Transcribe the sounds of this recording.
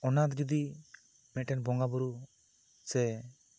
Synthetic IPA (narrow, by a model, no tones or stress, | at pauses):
ɔnat̪d͡ʒɔd̪i | mɛʈɛnbɔŋɡabɔɾu | sɛ